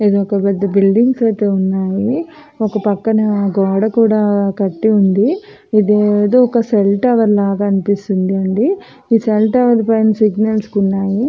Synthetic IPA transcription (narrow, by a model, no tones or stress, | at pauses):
ed̪oɔkɐpɛd̪ːɐbilɖiŋɡsɐjt̪e̞ːunːaːji | ɔkɐpɐkːɐnɐɡaːɽɐkuːɽaːkɐʈːiund̪i | id̪eːd̪oɔkɐselʈɐʋɐɾlaːɡaːɐnipist̪und̪iɐɳɖi | iːselʈɐʋɐɾpɐjnsiɡnɐlskunːaːji